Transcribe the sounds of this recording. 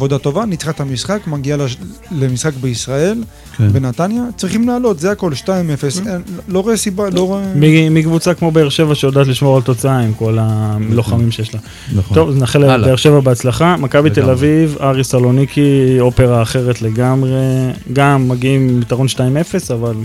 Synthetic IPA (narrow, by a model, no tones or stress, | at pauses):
avo̞d̪at̪o̞vanit͡sχat̪hamisχakmaɡiallemisχakbeisʁae̞l | benat̪anjat͡sʁiχimlaːlo̞t̪zehako̞lʃtaimefesenloʁesibaloemimikvut͡sakmo̞beeʁʃe̞vaʃeod̪aːt̪liʃmo̞ʁalt̪o̞t͡saaimko̞lamlo̞χamimʃe̞jeʃla | t̪o̞vznaχelbeeʃe̞vabeat͡slaχamakabit̪e̞lavivaʁisalo̞nikʰio̞pe̞ʁaːχe̞ʁet̪le̞ɡamʁe̞ɡamːaɡiimit̪aʁonʃtaime̞fe̞saval